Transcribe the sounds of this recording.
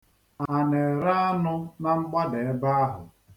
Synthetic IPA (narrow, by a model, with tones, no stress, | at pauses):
a˨ne˨ɾa˦a˦nʊ˦na˦ŋ͡m̩˦k͡pa˦de˨e˦ba˦a˦ɦʊ̰˨